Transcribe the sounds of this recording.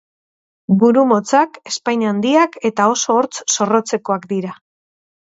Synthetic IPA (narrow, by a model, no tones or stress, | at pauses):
buɾumo̞t͡sake̞spajɲand̪iake̞t̪ao̞so̞ːɾt͡sso̞ro̞t͡se̞ko̞akd̪iɾa